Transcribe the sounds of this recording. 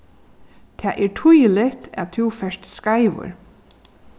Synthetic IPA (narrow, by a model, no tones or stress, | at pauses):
t̪ʰæːʔɛɹʈʰʊjəlɪt̪ʰæ̰t̪ʰufɛʂt̪skaɪʋə̰ɹ